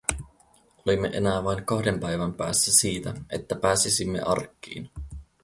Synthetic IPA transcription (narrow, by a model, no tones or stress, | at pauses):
o̞limːḛʔe̞̰næːʋɑjŋkɑhde̞mpæjʋæmpæːsːæsiːt̪æe̞t̪ːæpæːsisimːe̞̰ʔɑ̰rkːḭːn